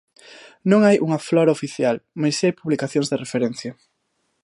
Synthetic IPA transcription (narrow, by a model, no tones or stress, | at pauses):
nõŋajʔuŋɐflɔɾɐofiθjalmajsajpuβlikaθjõŋzðerefeɾɛn̟θjɐ